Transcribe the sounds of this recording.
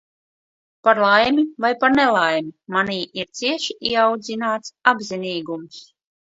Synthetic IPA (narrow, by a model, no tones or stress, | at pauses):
paɾlˠajmivajpaɾnɛlˠajmimaniːʔiɾt̪siɛʃiʔiɛawd̪zinaːt̪sabziniːɡums